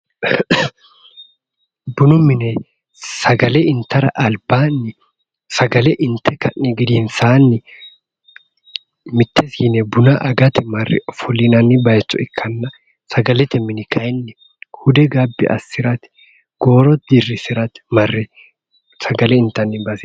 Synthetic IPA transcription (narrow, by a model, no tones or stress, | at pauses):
bʊnʊmɪnɛ | sɐɡɐlɛɪnt̪ɐɾɐ̰ʔɐlbaːnːɪ | sɐɡɐlɛʔɪnt̪ʰɛkɐnːiɡɪd̪iːnsaːnːɪ | mɪt̪ːɛsiːnɛbʊnɐʔɐɡɐt̪ɪmɐrːɛ̰fʊlinɐnːɪbɐjɛt͡ʃːɔɪkʰːɐnːɐ | sɐɡɐlɛt̪ɛmɪnɪkʰɐjnːɪ | hʊd̪ɛɡabːɪ̰ʔɐ̰sːɪɾɐt̪ɪ̥ | ɡ̥o̞ːɾɔt̪̚d̪irːɪsɪɾɐt̪ɪ̥mɐrːɛ | sɐɡɐlɛɪnt̪ːɐnːɪbasɪ